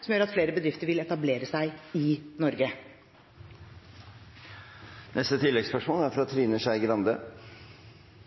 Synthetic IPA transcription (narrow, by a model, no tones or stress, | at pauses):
sɔmjøːɾɑt̪fleːɾəbəd̪ɾɪft̪əɾʋɪlɛt̪ɑbleːɾəsæɪɪnɔɾɡə | nʔɛst̪ət̪ʰɪlːɛɡspœʂmoːlæɾfɾɑt̪ʰɾiːnəʂæɪɡɾɑnd̪ə